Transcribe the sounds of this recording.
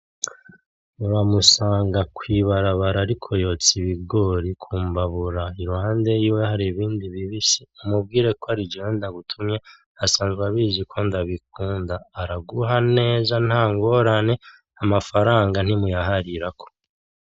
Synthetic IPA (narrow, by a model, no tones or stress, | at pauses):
uɾamusaːŋɡakwiβaɾaβaɾaːɾikʰo̞jo̞t͡siβiɡo̞ɾikʰuːmbaβuɾaiɾuhaːnde̞jiːwehaɾiβiːndiβiβisiumub̚ɡiːɾe̞koaɾid͡ʒeweːndaɡutʰumɲe | asaːnzɡwaβizikʰondaβik̚uːndaːɾaɡuɦane̞ːzan̥haːŋɡo̞ːɾane̞ | amafaɾaːŋɡan̥himujaɦaɾiɾakʰo̥